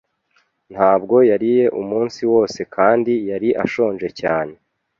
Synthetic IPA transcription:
n̥haːbɡo̞jaɾije̞ʔumuːnsiwo̞ːse̞kʰaːndijaɾiʔa̰ʃo̞ːnʒe̞caːne̞

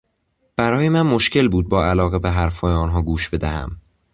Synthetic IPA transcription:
b̥æɾɒːje̞mænmo̞ʃcʰe̞lbuːd̪̚bɒːælɒːɣe̞beɦæɾfɒːjeɒːnɦɒːɡuːʃb̥e̞d̪æhæ̰m

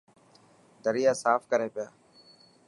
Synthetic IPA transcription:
d̪əɾɪjaːsaːfkəɾeːpɪjaː

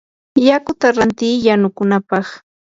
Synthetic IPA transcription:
jakʊt̪aɾant̪iːjanʊkʊnapɑχ

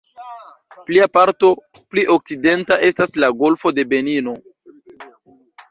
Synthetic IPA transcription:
pliapaɾto̞ | pliʔo̞k̚t͡side̞ntaʔe̞staslaɡo̞lfo̞de̞be̞nino̞

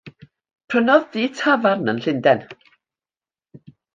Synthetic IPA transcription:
pʰrənɔððiːtʰavarnənɬɪndɛn

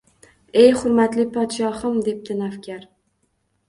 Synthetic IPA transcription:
e̞jχʊɾmat̪lɪpʰɒt̪ʃɒhɨmd̪e̞p̚d̪ɪnafkʲʰaɾ

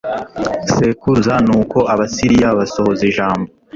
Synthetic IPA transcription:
se̞kuzanuːko̞ʔaβasiɾijaβaso̞ho̞ziʒaːmbo

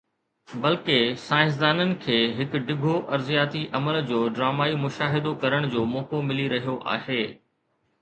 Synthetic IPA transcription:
bɐlkesaːɪ̃s̬d̪aːnənɪ̆kʰeːɦɪkɖɪɡʱoʔɐɾzijaːt̪iʔɐməld͡ʑoːɖɾaːmaːimʊʃaːɦɪd̪okɐɾəɽ̃d͡ʑoːmɔːkomɪliɾɐɦijoʔa̰ːheː

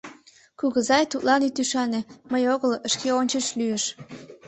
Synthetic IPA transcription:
kuɣəzɑjt̪ut̪lɑnit̪yʃɑneməjoɣələʃkeonʲt͡ɕəʃlyjəʃ

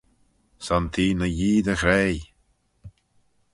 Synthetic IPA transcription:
sɔnt̪ʰiːnəjiːd̪əxɾej

